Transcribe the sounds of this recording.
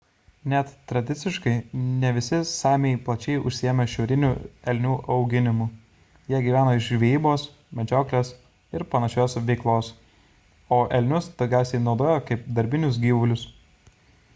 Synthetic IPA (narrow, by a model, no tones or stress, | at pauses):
nʲɛt̪ːɾɐd̪ʲɪt̪sʲɪʃkɐɪnʲɛʋʲɪsʲɪsɑːmʲeɪplˠɐt͡ʃʲɛɪʊʃʲsʲɪjɛmʲɛʃʲɛʊɾʲɪnʲuɛlʲnʲuːʔɐʊɡʲɪnʲɪmʊ | jiɛɡʲiːʋʲæːnoːɪʃʒʲʋʲeɛjiːboːs | mʲɛd͡ʒʲoːklʲeːs | ɪɾpɐnɐʃʲoːsʋʲɛɪklˠoːs | oːʔɛlʲnʲʊsd̪̥oːɡʲæˑʊsʲɛɪnɒʊd̪oːjokɐɪp̚d̪ɐɾʲbʲɪnʲʊs̬ɡʲiːʋʊlʲʊs